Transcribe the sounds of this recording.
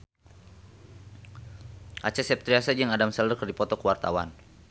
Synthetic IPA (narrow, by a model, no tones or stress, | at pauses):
ʔat͡ʃasɛp̚t̪ɾiasad͡ʒəŋadamsɛldərkərdipɔt̪ɔkəwart̪a̰wa̰n